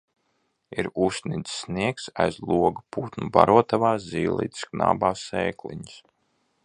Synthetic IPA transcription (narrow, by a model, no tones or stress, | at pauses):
iɾusnid̪sːniɛksajzlˠuɔɡupuːt̪nuba̰ɾuɔt̪avaːziːlˠḭt̪skna̰ːbaːsɛːklḭɲs